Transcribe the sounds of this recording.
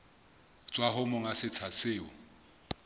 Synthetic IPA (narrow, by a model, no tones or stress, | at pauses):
t͡sʼwaɦʊmʊŋasɪt͡sʰasɪːʊ